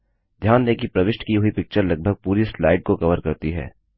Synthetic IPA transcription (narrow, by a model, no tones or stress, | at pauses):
d̪ʱjaːnleːkipɾɐʋɪʃʈkiɦuipɪk̚t͡ʃəɾlɐɡ̚bʱəɡ̚puːɾislaːɪɖ̚kokɐʋəɾkɐɾt̪iɦɛ̰ː